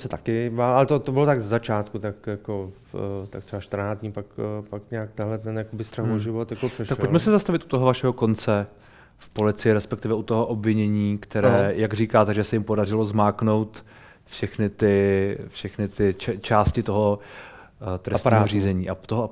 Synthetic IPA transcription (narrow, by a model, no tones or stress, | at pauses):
sɛt̪akɪbaːlʔalɛt̪ot̪obɪlot̪aɡzɛzat͡ʃaːt̪kut̪akjako | t̪akt̪rɛbaʃt̪ɾ̩naːt͡sɲipakpakɲaak̚t̪ɛnɦlɛt̪ɛnjakobɪst̪ɾaɦboʒɪvot̪jakopr̥ɛʃakɛpolcmɛsɛzast̪avɪt̪u̥t̪oɦovaʃɛɦo̞ko̞nt͡sɛ | fpo̞lɪt͡sɪjɪɾɛspɛk̚t̪ɪvɛʔut̪oɦoʔobvɪɲɛɲiːkt̪ɛɾɛːjaɡriːkaːt̪ɛɡʒɛsɛjɪmpo̞darɪlozmaːkno̞wt̪ | fʃɛxnɪt̪ɪfʃɛxnɪt̪ɪt͡ʃɛt͡ʃaːscɪt̪o̞ɦo | t̪ɾɛst̪iːaɦoɾiːzɛɲiːʔat̪oɦo